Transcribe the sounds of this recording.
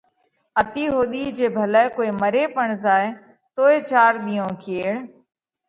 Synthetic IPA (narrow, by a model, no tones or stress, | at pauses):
ət̪iːɦoːɗ̪iːd͡ʒeːbʱələːkoːeːməɾeːpəɳzaːe | t̪oːeːt͡ʃaːɾɗ̪iːõːkʰeːɽ